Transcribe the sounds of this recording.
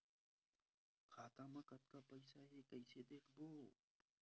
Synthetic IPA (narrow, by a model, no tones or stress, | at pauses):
kʰaːt̪aːmãːkət̪̚kaːpəɪsaːɦeːkəɪseːd̪eːkʰboː